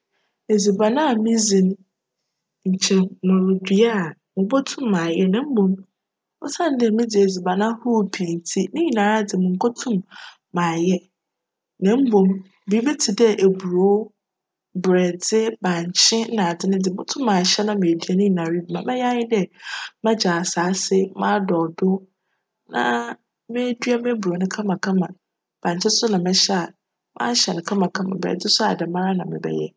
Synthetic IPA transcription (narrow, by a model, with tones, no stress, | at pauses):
e˨zi˨ba˨nã˦a˨mĩ˦zĩ˨ñ˦ | ɲ̩˨t͡ɕʰɛ˨mʊ̃˨ɾdi˨a˦˨ | mʊ̃˨bɔ˦tʰʊ̃˦mːã˨jɛ˦nã˦m̩˦bõ˨m | ʊ˦sã˦n˦dɛ˦mɪ̃˦dɪ˨e˨zi˨ba˨nã˦hʊ˦˨pʰĩ˨n˨tʰi˦nɪ̃˦i˨nã˨ɾa˦dɪ˨mʊ̃˨ŋ̩˨kʰʷɔ˦tʰʊ̃˦mː | ã˨jɛ˦ | nɛ̃˨˦m̩˦bõ˨m | bi˨˦bɛ˦tʰɪ˨dɛ˦ʔe˨bu˨ɾo˨˦ | bɾɛ˨d͡zɪ˦bã˨ɲ˨t͡ɕʰɪ̃˦nã˨dɪ˦nʊ̃˦dɪ˨mʊ̃˦tʰʊ̃˦mː˦ãː˨ɕɛ˦nã˨mɪ̃˨dɥa˦nʊ̃˦˨nã˨ɾi˦bmã˨mɛ̃˦ja˦ɲɪ̃˦dɛ˦mã˦d͡ʑa˨saː˨˦sɪ˦mãː˦dɔ˨dʊ˦ | nã̰˨ | mɪ̃˦dɥa˦mɪ̃˦bu˨o˨˦nʊ̃˦kʰã˦mã˨kʰã˦mã˨ | b̥ã˨ɲ˨t͡ɕʰɪ̃˦sʊ˦nã˨mɪ̃˦ɕɛ˦a˨ | mã̰ː˦ɕɛ˨nʊ̃˨kʰã˦mã˨kʰã˦mã̰˨bɾɛ̰˨dɪ˦sʊ˦a˨dɛ˨mãː˦ɾa˦nã˨mɪ̰̃˨bɛ̰˨jɛ̰˦